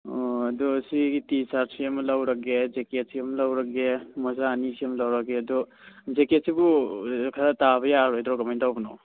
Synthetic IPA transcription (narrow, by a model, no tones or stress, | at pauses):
ɔɐdɔsiɡitit͡ʃaɾsiamlawɾakezeket̚sijamlawɾakemɔzaːnisijamlawɾakeɐdɔ | zeket̚sibukʰaɾatabʌjaɾɔjdɾɔɡamandawbɔnɔ̰w